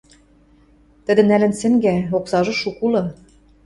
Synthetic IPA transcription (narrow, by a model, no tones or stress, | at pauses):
t̪ɘ̆d̪ɘ̆nælɘ̆nsɘ̆ŋɡæoksɑʒɤ̆ʃukulɤ̆